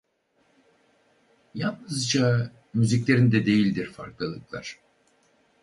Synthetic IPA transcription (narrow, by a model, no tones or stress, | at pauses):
jalˠnɯzd͡ʒa | myziclʲe̞ɾind̪ɛd̪e̞jilʲd̪iɾfa̰ɾklˠɯlˠɯklˠa̰ɾ̥